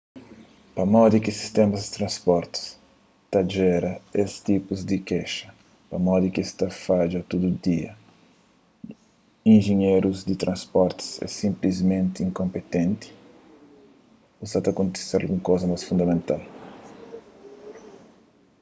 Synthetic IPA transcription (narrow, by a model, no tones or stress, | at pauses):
pɐmɔd̪ikɪsi̥st̪emɐzd̪it̪ɾɐ̃nspɔɾt̪i̥s | t̪aʒɛɾɐest̪ipuzd̪ikɛʃɐ̥ | pɐmɔd̪ikist̪afad͡ʒɐt̪ud̪ud̪iɐ̰ | ĩnʒeɲeɾuzd̪it̪ɾʔɐ̃nspɔɾt̪i̥sɛ̰sĩmplizmẽnt̪iĩŋkõmpet̪ẽnt̪ɪ̥ | usat̪aɐkõnt̪e̥seɾa̰lɡũŋkozɐmajsfũnd̪ɐmẽnt̪al